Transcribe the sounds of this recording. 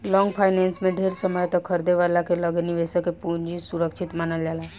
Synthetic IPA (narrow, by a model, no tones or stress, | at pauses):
lɔ̃ŋɡpʰajnɛnsmẽɖʱeɾsəməjt̪ɔkʰəɾd̪eʋəlakeləɡniʋesəkepuɲd͡ʒisuɾəkʃʰit̪manəld͡ʒala